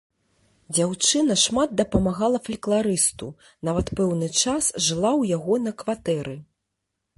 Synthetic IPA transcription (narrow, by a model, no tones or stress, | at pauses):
d͡zʲawt͡ʂɨnɐʂmad̪̚d̪ɐpɐmaɣalˠɐfɐlʲklˠaɾɨst̪u | navɐt̪pɛwnɨt͡ʂasʐɨlˠawjaɣɔnɐkvat̪ɛɾɨ